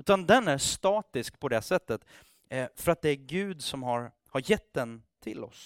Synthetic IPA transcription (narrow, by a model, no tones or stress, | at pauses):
ʉ̟ːt̪and̪ɛnæʂt̪ɑːt̪ɪskpʰɔd̪ɛsɛt̪ːət̪ | fœɾat̪̚d̪ɛæɾɡʉ̟ːd̪sɔmhaɾ | haɾjɛt̪̚ːd̪ɛnt̪ʰɪ̰lɔ̰s